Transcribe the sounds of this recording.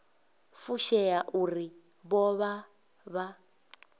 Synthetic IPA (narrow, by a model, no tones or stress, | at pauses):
fuʃɛjaʔuri | βɔβa | βa